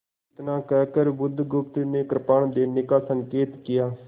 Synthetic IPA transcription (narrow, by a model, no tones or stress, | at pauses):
ɪt̪nãːkɛːkəɾbʊd̪ʱːɡʊp̚t̪neːkɾpaːɳd̪eːnɪkaːsəŋkeːt̪kɪjaː